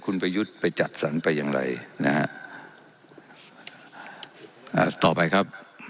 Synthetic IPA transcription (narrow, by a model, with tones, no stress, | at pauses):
kʰu˧npa˧ju˦˥t̪̚pa˧jt͡ɕa˨˩t̪̚sa˩˦npa˧jːaː˨˧ŋɾa̰˧jna˦˥ha̰˦˥ʔ | ʔa̰ː˧˩t̪ɔː˨˩pa˧jkʰa˦˥p̚